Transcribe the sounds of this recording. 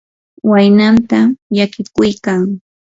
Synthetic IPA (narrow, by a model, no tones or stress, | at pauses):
wajnant̪ajakɪkʊjkaŋ